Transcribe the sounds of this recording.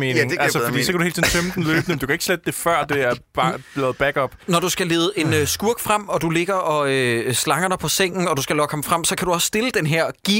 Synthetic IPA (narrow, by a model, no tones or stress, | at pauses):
me̝nŋælsəffd̥ḭːsɒ̽kædɾuhe̝ːlt͡sʰsin̩fømd̥n̩løːb̥ən̩emnd̥ukæeɡ̥sled̥əd̥e̝fɶɐ̰d̥e̝æɐb̥ɑb̥lɛːð̩ˠb̥æɡ̥ɒ̽b̥nɒd̥usɡ̥æle̝ːð̩ˠe̝nøsɡ̥uɐɡ̥fʁam̰ɒ̽d̥ule̝ɡ̥ɐʔɒ̽øslɑ̈ŋɐdɑ̈pʰɒ̽seŋ̰n̩ɒ̽d̥usɡ̥ælɒkʰɑ̽mfʁam̰sɒ̽kʰæd̥uɒssd̥e̝ləd̥enɦeɐ̰ɡ̥i